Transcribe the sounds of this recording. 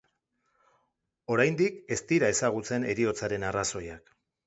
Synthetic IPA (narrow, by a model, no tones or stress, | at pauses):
o̞ɾajnd̪ike̞st̪iɾae̞saɣ̞ut͡se̞ne̞ɾio̞t͡saɾe̞naraso̞jak